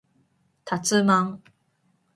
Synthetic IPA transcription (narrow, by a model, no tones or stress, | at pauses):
t̪ʰat͡sɨmaŋ